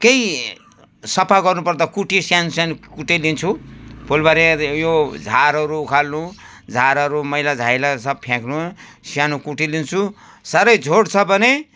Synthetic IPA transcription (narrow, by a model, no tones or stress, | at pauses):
kej | sʌpʰaɡʌrnupʌrd̪akuʈisjanusjanukuʈilint͡sʰupʰolbaɾejod͡zʱaɾʌɾuːkʰalnu | d͡zʱaɾʌɾumʌjlad͡zʱajlasʌb̚pʰjãknu | sijanukuʈilint͡sʰu | saɾʌjd͡zʱoɽt͡sʰʌbʱʌne